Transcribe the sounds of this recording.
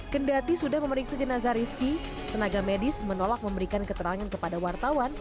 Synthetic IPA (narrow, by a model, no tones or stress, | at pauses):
kəndat̪isudahməməɾiksad͡ʒənazaɾiski | t̪ənaɡamedɪsmənolak̚məmbəɾikankət̪əɾaŋankəpadawart̪awan